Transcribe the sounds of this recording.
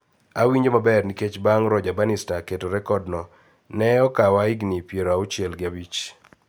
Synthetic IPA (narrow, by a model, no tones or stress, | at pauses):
awiɲd͡ʒomabɛrniket͡ʃbaŋɾɔd͡ʒabanɪstaketoɾɛkɔdnɔ | nɛɔkawaɪɡnipjeɾoaut͡ʃjɛlɡɪabit͡ʃ